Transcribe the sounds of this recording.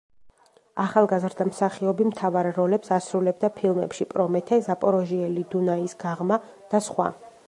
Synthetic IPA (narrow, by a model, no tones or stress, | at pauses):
aχalˠɡazɾd̪amsaχiɔbimt̪ʰavaɾːɔlɛpsasɾulɛb̚d̪apʰilˠmɛ̰pʃipʼɾɔmɛt̪ʰɛzapʼɔɾɔʒiɛlid̪unaisɡ̥aʁma | d̪̥asχwa̰